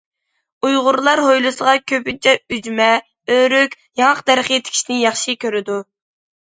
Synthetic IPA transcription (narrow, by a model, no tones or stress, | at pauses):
ujʁʊɾlˠɑɾɦojlˠɨsəʁɑkʲʰøpynt͡ʃʰɛyd͡ʒmɛ | øɾykʲ | jɑŋəqd̪æɾχəet̪ʰɪ̥kʲʰi̥ʃnɪnjɑχʃikʲʰøɾɪd̪u